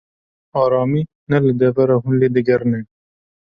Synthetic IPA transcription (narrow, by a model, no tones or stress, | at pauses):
ɑːɾɑːmiː | nɛlɨd̪ɐvɐɾɑːɦunleːd̪ɨɡɐɾneː